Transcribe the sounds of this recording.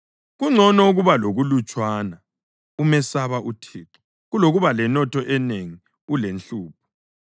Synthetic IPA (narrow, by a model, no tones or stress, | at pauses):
ɣuŋ͡ǀʱɔnɔuɣuβaloɣulut͡ʃʼwaːna | umɛsaβaʔutʰiːǁɔ̥ | ɣuloɣuβalɛnɔtʰɔʔɛneŋi | ulenɬuːp̚ʰɔ̥